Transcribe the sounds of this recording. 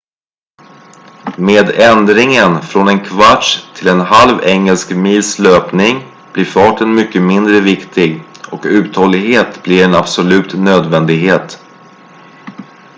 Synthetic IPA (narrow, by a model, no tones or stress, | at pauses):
meːd̪ɛnd̪ɾɪŋənfɾɔnɛnkʰvaʈʂt̪ʰɪlɛnɦalvɛŋːəlskmiːlsløːpnɪŋ | b̥lɪɾfɑːʈənmʏkːəmɪnd̪ɾəvɪkt̪ʰɪɡɔkʉ̟ːt̪hɔlːɪɡɦeːt̪blɪɾɛnab̥sɔlʉ̟ːt̪nøːd̪vɛnd̪ɪɡɦeːt̪